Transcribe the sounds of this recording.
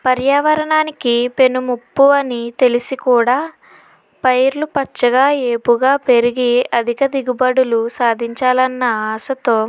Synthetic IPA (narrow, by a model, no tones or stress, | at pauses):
pɐɾjaːʋɐɾɐɳaːnikipe̞numupːuɐnit̪e̞lisikuːɽaː | pɐjɾlupɐt͡ʃːɐɡaːeːpuɡaːpe̞ɾiɡiɐd̪ʱikɐd̪iɡubɐɽulusaːd̪ʱiɲt͡ʃaːlɐnːɐaːsɐt̪oː